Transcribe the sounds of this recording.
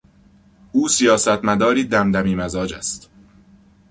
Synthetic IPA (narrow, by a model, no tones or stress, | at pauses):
ʔuːsijɒːsæt̪ʰmæd̪ɒːɾiːd̪æmd̪æmiːmæzɒːd͡ʒæ̰st̪